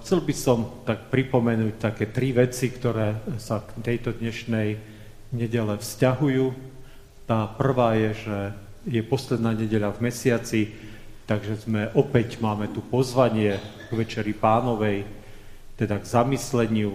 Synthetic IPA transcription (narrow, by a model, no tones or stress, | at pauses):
xt͡sɛlbisɔmt̪ak̚pɾipɔmɛnuːc̚t̪akɛːt̪ɾiʋɛt͡sikt̪ɔɾɛːsakt̪ɛjt̪ɔd̪ɲɛʃnɛj | ɲɛɟɛlɛfscaɦujuː | t̪aːpr̩ʋaːjɛʒɛ | jɛpɔslɛd̪naːɲɛɟɛʎavmɛsɪat͡si | t̪aɡʒɛzmɛʔɔpɛcmaːmɛt̪upɔzʋaɲɪɛ | ɡ̥ʋɛt͡ʃɛɾipaːnɔʋɛj | t̪ɛd̪aɡzamislɛɲɪu